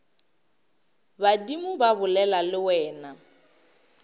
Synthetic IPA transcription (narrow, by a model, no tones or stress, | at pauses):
badimʊbabʊlɛlalɪwɛːna